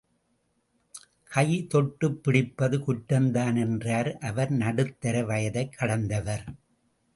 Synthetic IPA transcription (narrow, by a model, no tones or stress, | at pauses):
kɐjt̪ɔʈːɯpːɪɽɪpːɐðɯkʊʈːɐnd̪aːnɛndraːɾʔɐʋɐɾnɐɽɯt̪ːɐɾɐʋɐjɐðɐɪkʰːɐɽɐnd̪ɐʋɐɾ